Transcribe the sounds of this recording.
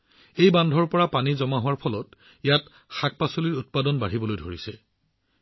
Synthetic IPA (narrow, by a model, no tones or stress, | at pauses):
ejbandʱɔɹpɔɹapanizɔmaɦʊwaɹpʰɔlɔt | jat | xak̚pasoliɹut̚padɔnbaɹibɔlojdʱoɹisɛ